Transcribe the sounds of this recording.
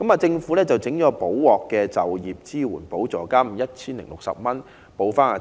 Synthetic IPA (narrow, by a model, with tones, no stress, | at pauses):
kɐ˨˥maː˧t͡sɪ˧ŋfuː˨˥lɛː˥t͡swt͡sɪ˨˥ŋt͡ʃɔː˨˥po˨˥wwɔː˨kːɛː˧t͡sɐ˨wjiː˨˩p̚t͡siː˥wuː˨˩npo˨˥wt͡sɔː˨˧kaː˥m̩˨˩jɐ˥t̚t͡sʰiː˥nlɪ˨˩ŋlʊ˨k̚sɐ̰˨p̚mɐ˥n | po˨˧wfaː˥naː˧